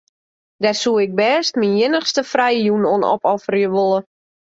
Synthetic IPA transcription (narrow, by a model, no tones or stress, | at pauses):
dɛsuəɪk̚bɛːstminjɪnəxstəfrɛjəjunonɔ̰pɔfərjəʋolˠə